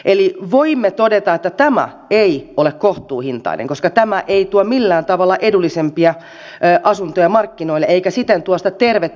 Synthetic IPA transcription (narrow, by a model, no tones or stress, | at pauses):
ʔeliʋoimːet̪odet̪ɑet̪ːæt̪æmæ̰ | eiolekkoht̪uːhint̪ɑ̰inḛŋkoskɑt̪æmæʔeit̪uomilːæːnt̪ɑʋɑlːɑʔedulːisempiæ | ʔɑsunt̪ojɑmɑrkːinoilːeeikæsit̪ːent̪uost̪ɑt̪erʋe